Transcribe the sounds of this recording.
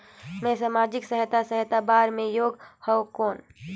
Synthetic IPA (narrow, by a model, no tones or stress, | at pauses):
mẽsaːmaːd͡ʒɪksəɦɪt̪asəɦɪt̪abaːɾmẽjoːɡhɔkoːn